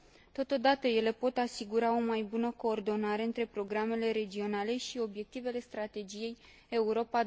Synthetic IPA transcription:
t̪o̞t̪o̞d̪at̪əje̞le̞po̞t̪asiɡuɾao̞majbunəko̞ːrd̪o̞naɾe̞ɨnt̪ɾe̞pɾo̞ɡɾame̞le̞ɾe̞d͡ʒio̞nale̞ʃio̞bje̞k̚t̪ive̞le̞st̪ɾat̪e̞d͡ʒije̞j | e̞uɾo̞pa

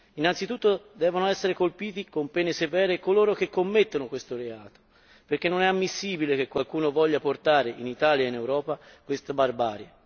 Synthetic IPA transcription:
inːansit̪ut̪ːod̪ɛːvonoɛsːeɾekolpiːt̪ikompɛːnesevɛːɾekoloːɾok̟ekːomːet̪ːonokwest̪oɾeaːt̪o̥ | perk̟enːonɛamːisːiːbilek̟ekːwalkuːnovɔʎːaport̪aːɾeinit̪aːljainewɾɔːpakwest̪abarbaːɾja

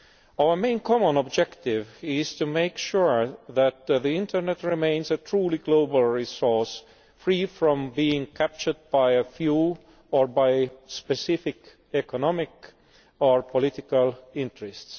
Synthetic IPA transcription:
aʊə˞mẽɪ̃nkʰɑmə̃nɔb̚d͡ʒɛktɪvɪz̥tʰumeɪkʃuɹðæt̪̚ðiɪ̃ntʰə˞nɛtɹimẽɪ̃nsətʰɹuliɡloʊbəlˠɹisɔɹs | fɹiːfɹɔ̃mbiɪ̃ŋkʰæp̚t͡ʃə˞d̚baɪəfju | ɔɹbaɪspɛsɪfɪk | ɛkɔnɑmɪk | ɔɹpʰɔlɪtɪkalɪ̃ntɹ̥ɛsts

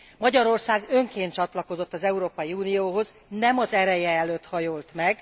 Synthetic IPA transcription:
mɒɟɒɾo̞rsaːɡø̞ŋkeːnt̪t͡ʃɒt̪lɒko̞zo̞t̪ːɒzɛuɾoːpɒjiuːnijoːɦo̞z | nɛmɒzɛɾɛjɛɛløːt̪hɒjolt̪mɛɡ

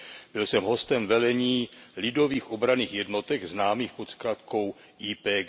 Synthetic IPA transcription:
b̥ɪlsɛmɦost̪ɛmvɛlɛɲiːlɪdo̞viːxʔobɾaniːxjɛdno̞t̪ɛɡznaːmiːxpot̪skɾat̪ko̞w | iːpɛː

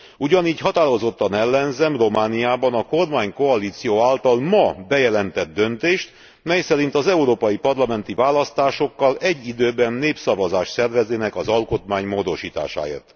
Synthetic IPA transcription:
uɟɒniːcɦɒt̪aːɾo̞zo̞t̪ːɒnɛlːɛnzɛmro̞maːnijaːbɒnɒko̞rmaːɲko̞ɒliːt̪sijoːaːlt̪ɒlmɒbɛjɛlɛnt̪ɛd̪̚ːø̞nt̪eːʃt̪ | mɛjsɛɾin̪t̪ɒzɛuɾoːpɒjipɒrlɒmɛn̪t̪ivaːlɒst̪aːʃo̞kːɒlɛɟːid̪øːbɛnːeːpsɒvɒzaːʃsɛrvɛzeːnɛkɒzɒlko̞t̪maːɲmoːd̪o̞ʃiːt̪a̰ːʃa̰ːḛːrt̪

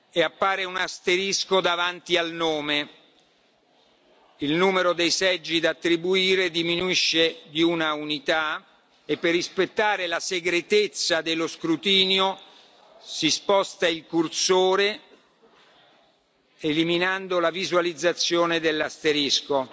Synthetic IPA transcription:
eapːaːɾeunast̪eɾiskod̪avant̪ialnoːme | ilnuːmeɾod̪ejsɛd͡ʒːid̪aːt̪ːɾibuiːɾed̪iminuiʃːed̪iunaunit̪a | epːerːispet̪ːaːɾelaseɡɾet̪et̪sːad̪eloskɾut̪iːnjo | sispɔst̪ailkursoːɾe | eliminand̪olavizwalid̪zːat̪sːjoːned̪elːast̪eɾisko

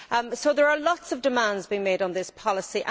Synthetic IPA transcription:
soʊðəɹəlɔtsəvdɪmãndzbiːɪ̃ŋmeɪdn̩ðɪspʰɒlɪsiʔə̃

